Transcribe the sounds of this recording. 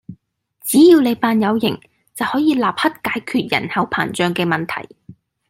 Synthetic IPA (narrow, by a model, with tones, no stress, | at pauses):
t͡siː˨˥jiː˧wne˨˧jpaː˧njɐ˨˧wjɪ̰˨˩ŋ | t͡sɐ˨whɔː˨˥jiː˧laː˨p̚hɐ˥t̚kaː˨˥jkʰyː˨˧t̚jɐ̰˨˩nhɐ˨˧wpʰa̰ː˨˩nt͡ʃœː˨˧ŋkɛː˧mɐ˨˩nt̪ʰɐ̰˨˩j